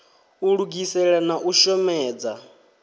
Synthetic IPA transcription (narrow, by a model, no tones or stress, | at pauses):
uɺuɡisɛɺanaʔuʃɔmɛːd͡za